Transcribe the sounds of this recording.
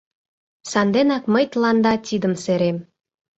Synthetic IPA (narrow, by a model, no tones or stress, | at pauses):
sɑnd̪enɑkməjt̪lɑnd̪ɑt̪ʲid̪əmseɾem